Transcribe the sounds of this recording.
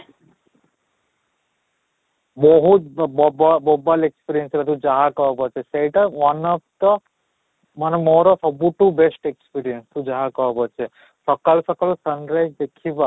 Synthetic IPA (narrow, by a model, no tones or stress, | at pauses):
bɔɦut̪bbbobalekspiɾiənsɾat̪ũd͡ʒaɦakɔpɔt͡ʃʰeseʈəʋʌnɔft̪ə | mənemɔɾosɔbuʈubesʈekspiɾijənst̪ũd͡ʒaɦakɔpɔt͡ʃʰe | sɔkalsɔkalosənɾajd͡ʒd̪ekʰiba